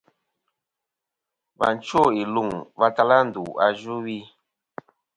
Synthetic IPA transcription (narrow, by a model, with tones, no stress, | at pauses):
va̰˨n˦t͡ʃo˦˨i˨lu˦˨ŋva˦ta˦la˦n̩˨du˨a˦d͡ʒu˦wi˦